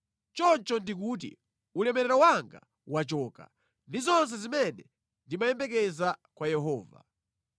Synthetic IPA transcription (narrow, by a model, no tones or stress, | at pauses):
t͡ʃɔnt͡ʃɔndik̬uːt̬ḭ | ulɛmɛɾɛɾɔwaŋɡa | wat͡ʃɔːka̰ | ndizɔns̬ɛzimɛnɛ | ndimajɛmbɛk̬ɛzakwajɛɦɔːva̰